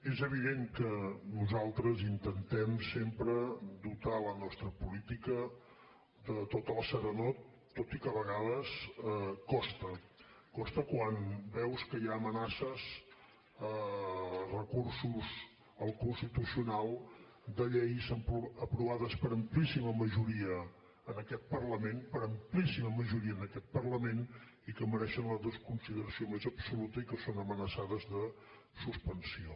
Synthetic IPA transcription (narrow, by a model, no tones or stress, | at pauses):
ezəβ̞iðeŋkənuzalˠt̪ɾəzint̪ənt̪ɛmsempɾəd̪ut̪alənɔst̪ɾəpulit̪ikə | d̪ət̪ot̪əlˠsəɾənot̪ː | ot̪ikəβəɣaðəskɔst̪ə | kɔst̪əkwanbɛwskəjaəmənasəz | ə | rəkursuz | əlˠkunst̪it̪usiunalˠ | d̪əʎɛjsəpəpɾuβaðəspəɾəmplisiməməʒuɾiəː | nəkɛt̪̚pərləmenpəɾəmplisiməməʒuɾiənəkɛt̪̚pərləmen | ikəməɾɛʃənləðoskunsiðəɾəsiomezəpsulut̪əikəsonəmənəsaðəzðə | suspənsio